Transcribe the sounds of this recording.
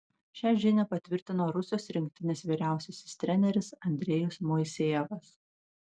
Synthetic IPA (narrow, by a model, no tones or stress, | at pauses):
ʃʲæːʒʲɪnʲɛpɐt̪ʲʋʲɪɾʲt̪ʲɪnoːɾʊsʲɪjoːsɾʲɪŋk̚ʲt̪ʲɪnʲeːsʋʲiːɾʲæˑʊsʲɛsʲɪst̪ʲɾʲɛnʲɛɾʲɪsɐnʲd̪ʲɾʲɛjʊsmoɪsʲeːɛʋɐs